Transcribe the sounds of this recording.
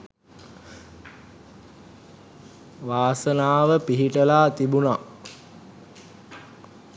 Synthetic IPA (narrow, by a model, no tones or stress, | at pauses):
ʋaːsənaːʋəpiɦiʈəlaːt̪ibuna